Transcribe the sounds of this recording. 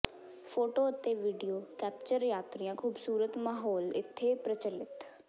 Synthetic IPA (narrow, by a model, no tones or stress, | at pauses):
pʰoːʈoːət̪eːʋiːɖijoːkɛːp̚t͡ʃəɾjaːt̪ɾijãːkʰuːbsuːɾət̪maːɦɔːlɪ̰t̪ʰːeːpɾət͡ʃəlɪt̪